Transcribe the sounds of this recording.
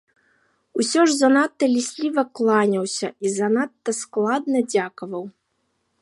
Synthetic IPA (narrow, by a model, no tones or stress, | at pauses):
usʲɔʐzanat̪ːɐlʲisʲlʲivɐklˠanʲɐwsʲɐizanat̪ːɐsklˠad̪nɐd͡zʲakɐvɐw